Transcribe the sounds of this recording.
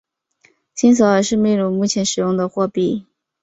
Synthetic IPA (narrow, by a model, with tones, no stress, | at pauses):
ɕi˥nsɤ˧˥ə˧˥ʂɻ̩˥˧mi˥˩lu˥˧mu˥˩t͡ɕʰjɛ˧˥nʂɻ̩˨˩jʊ˥˩ŋd̪ə˩xwɔ˥˧pi˥˩